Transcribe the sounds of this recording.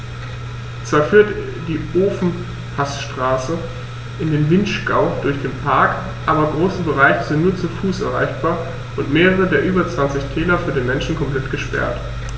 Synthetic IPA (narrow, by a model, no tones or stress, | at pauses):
t͡sv̥aːɐfyːɐt | d̥iːʔoːfn̩ | pʰasʃtʁ̥aːsə | ʔɪndeːnvɪntʃɡ̥aʊd̥ʊɐçd̥eːnpʰaɐk | ʔaːbɐɡʁoːsəbəʁaɪçəzɪntnuːɐt͡sufuːsʔɛɐʁ̞a̰ɪçb̥aːɐ | ʔʊntmeːʁəʁ̞ədeːɐʔyːbɐt͡sv̥ant͡sɪçtʰɛːlɐfyːɐdeːnmɛnʃn̩kʰɔmpl̥ɛtɡ̥əʃpɛ̰ɐt